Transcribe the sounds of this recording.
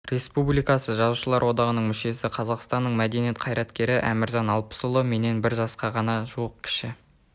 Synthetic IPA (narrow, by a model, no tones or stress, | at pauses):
ɾe̞spublijkɑsəʒɑzuʃəlˠɑɾwo̞d̪ɑʁənəɴmʏʃe̞sɪqʰɑzɑqst̪ɑnːəɴmæd̪e̞nije̞t̪̚qʰɑjɾɑt̪kʲe̞ɾɪʔæ̰mɪɾʒɑnɑlˠpə̥sʊlˠəme̞ne̞nbɪɾʒɑsqɑʁɑnɑʒuəq̚kʲʰɪ̥ʃɪ